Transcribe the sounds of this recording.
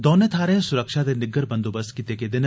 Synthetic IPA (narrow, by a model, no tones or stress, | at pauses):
d̪ɔːnet̪ʰaːɾẽsʊɾəkʃad̪enɪɡəɾbɐ̃nd̪oːbəst̪kit̪eked̪ɪn